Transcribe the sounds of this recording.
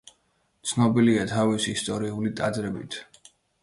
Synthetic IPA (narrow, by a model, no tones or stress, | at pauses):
t̪sʰnɔbiliat̪ʰavisiːst̪ʼɔɾiulit̪ʼad̪ɾɛbḭt̪ʰ